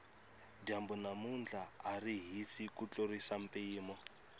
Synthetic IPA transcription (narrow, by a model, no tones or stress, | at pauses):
dambunamund͡ɮʱaːriɦisikut͡ɬoɾisam̩pʼiːmɔ